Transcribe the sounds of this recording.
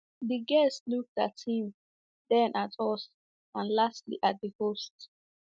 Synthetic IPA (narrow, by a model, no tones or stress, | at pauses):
diɡɛstluk̚ta̰thĩm | dɛ̃nʔatʰɔs | ãnlastlḭʔat̚dəhost